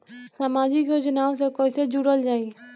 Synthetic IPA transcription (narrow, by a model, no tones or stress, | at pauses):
saːmaːd͡ʒikod͡ʒənaːosekoːɪsed͡ʒuɽəld͡ʒaːi